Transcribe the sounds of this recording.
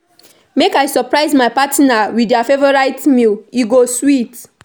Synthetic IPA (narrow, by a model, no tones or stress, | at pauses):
mekaɪsɔpɹaɪzmaɪpatnawidjɔfevɔɹaɪtmiliɡoswit